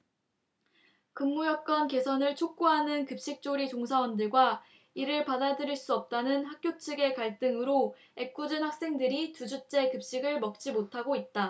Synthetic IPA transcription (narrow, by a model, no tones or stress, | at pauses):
kɯŋːujʌk͈ʌnke̞sʰʌnɯɭt͡ɕʰok̚k͈uɦanɯnkɯp̚ɕ͈ik̚t͡ɕ͈oɾit͡ɕoŋsʰawʌndɯɭɡwa | iɾɯɭpadadɯɾiɭs͈uʌp̚t͈anɯnɦak̚k͈jot͡ɕʰɯɡe̞kaɭt͈ɯŋɯɾo | e̞k̚k͈ud͡ʑɯnhak̚s͈e̞ŋdɯɾitud͡ʑut͡ɕ͈e̞kɯp̚ɕ͈iɡɯɭmʌk̚t͡ɕ͈imotʰaɡoit̚t͈a